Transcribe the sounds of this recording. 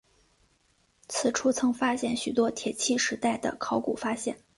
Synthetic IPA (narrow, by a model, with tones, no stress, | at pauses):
t͡sʰɹ̩˨˩ʈ͡ʂʰu˥t͡sʰɤ˧˥ŋfa˥ɕjɛ˥˩nɕy˨˩t̪wɔ˥t̪ʰjɛ˨˩t͡ɕʰi˥˩ʂɻ̩˧˥t̪a˥˩ɪd̪ə̰˩kʰɑ˧˥ʊkṵ˨˩fa˥ɕjɛ̰˥˩n